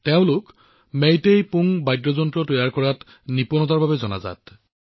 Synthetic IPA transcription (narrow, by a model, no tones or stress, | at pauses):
teʊ̃lʊk | mejtejpuŋbajdɹɔzɔntɹɔtojaɹkɔɹat | nipɔnɔtaɹbabɛzɔna̰za̰t